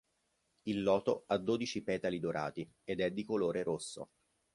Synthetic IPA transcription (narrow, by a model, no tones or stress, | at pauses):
ilːɔːt̪oad̪ːoːd̪it͡ʃipɛːt̪alid̪oɾʔa̰ːt̪i | ed̪ɛd̪ːikoloːɾeɾosːo̰